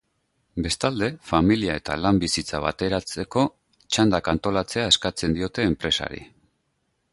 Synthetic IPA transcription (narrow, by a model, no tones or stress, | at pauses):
be̞st̪ald̪e̞familiae̞t̪alambisit͡saβ̞a̰t̪e̞ɾat͡se̞ko̞ | t͡ʃand̪akant̪o̞lat͡se̞ae̞skat͡se̞nd̪io̞t̪e̞ːmpɾe̞sa̰ɾḭ